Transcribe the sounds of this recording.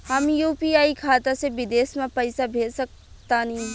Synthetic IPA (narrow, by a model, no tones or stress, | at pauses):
həmjuːpiaːikʰaːt̪asebɪd̪eːsmãpəɪsabʱeːsək̚ | t̪anĩ